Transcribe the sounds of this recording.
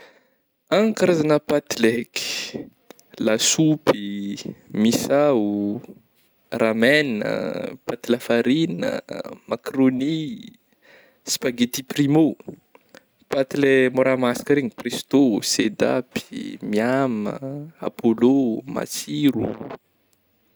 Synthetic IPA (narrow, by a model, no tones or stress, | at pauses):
aŋkaɾazanəpat̪ileki̥ | lasupi | misau | ramɛnə̰pat̪ilafaɾinə̰makroni | spaɡet̪iprimo | pat̪ilemoɾamasḁkəɾeŋiprist̪osed̪a̰pi̥miamə̰a̰pʰoloma̰siɾṵ